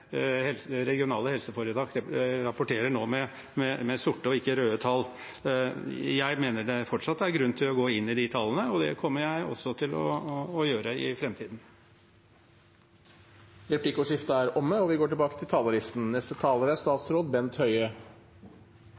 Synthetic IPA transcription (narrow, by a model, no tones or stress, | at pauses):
hɛlɾɛɡɪʊnɑːləhɛlsəfɔɾəd̪ɑːkɾɑpʊʈʰeːɾəɳoːmɛ | mɛmɛsʊʈːəɔɪkːəɾøːət̪ʰɑl | jæɪmeːnəɖɛfɔʈʂɑt̪ːəæɾɡɾʉnt̪ʰɪlɔɡoːɪnːɪd̪ɪt̪ʰɑlənəɔd̪ɛ̰kʰɔmːəjæɪɔ̰sːɔt̪ʰɪlɔ̰ːjøːɾəɪ̰fɾɛmt̪ʰiːd̪n̩ | ɾɛpʰlɪkəʊʂɪft̪əæɾɔmːəɔʋɪɡoːʈɪlbɑːkət̪ʰɪlt̪ʰɑːləɾɪst̪n̩nɛst̪ət̪ʰɑːləɾæst̪ɑːt̪sɾoːd̪bɛnt̪hœʏə